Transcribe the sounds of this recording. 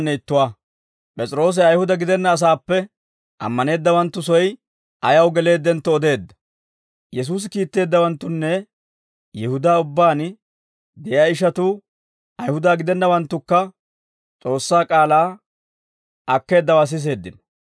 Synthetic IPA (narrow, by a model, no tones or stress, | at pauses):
nːɛɪt̪ːʊwaː | pʼɛt͡sʼɪɾo̞ːs̬ɛɐjhʊd̪ɐɡɪd̪ɛnːɐːs̬aːpːɛ | ʔɐ̰mːɐne̞ːd̪ːɐwɐnt̪ːʊs̬ɔj | ʔɐjɐwɡɛle̞ːd̪ːɛnt̪ːɔːd̪e̞ːd̪ːɐ̥ | jɛs̬uːs̬ɪkiːt̪ːe̞ːd̪ːɐwɐnt̪ːʊnːɛ | jɪhʊd̪aːʊbːaːn | d̪ɛjaɪʃɐt̪uː | ɐjhʊd̪aːɡɪd̪ɛnːɐwɐnt̪ːʊkːɐ | t͡sʼo̞ːsːaːkʼaːlaː | ʔɐkːe̞ːd̪ːɐwaːs̬ɪs̬e̞ːd̪ːɪnɔ̥